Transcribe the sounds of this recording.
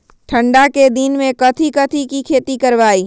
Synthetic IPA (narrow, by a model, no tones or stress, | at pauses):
ʈʰə̃ɳɖaked̪inmẽkɐt̪ʰikɐt̪ʰikikʰeːt̪ikɐɾʋaːiː